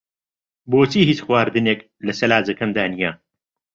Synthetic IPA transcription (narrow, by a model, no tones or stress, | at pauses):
boːt͡siːhiːt͡ʃxwaːɾd̪ɨneːk | lɐsɐlaːzɐkɐmd̪aːnija